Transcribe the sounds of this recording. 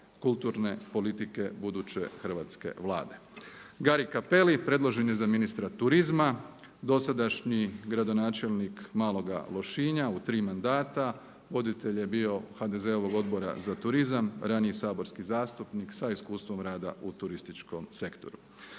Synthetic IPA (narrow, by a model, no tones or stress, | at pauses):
kulˠt̪uɾne̞po̞lit̪ike̞bud̪ut͡ɕḛxər̩ʋat̪ske̞̰ʋlˠa̰ːd̪e̞ɡaɾikape̞lipɾe̞d̪lˠoʒe̞nje̞zaminist̪ɾat̪uɾizma | d̪o̞sad̪aʃɲiɡɾad̪o̞naːt͡ʃe̞lnikmaːlˠo̞ɡa̰lˠo̞ʃiɲaut̪ɾiːmand̪aːt̪a | ʋo̞d̪it̪e̞ʎje̞bio̞xad̪e̞ze̞o̞ʋo̞ɡo̞d̪bo̞ɾa̰zat̪uɾizamɾanijisaːbo̞ɾskizaːst̪upniksaiskuːst̪ʋo̞mɾaːd̪a̰ut̪uɾist̪it͡ʃko̞mse̞kt̪o̞̰ɾu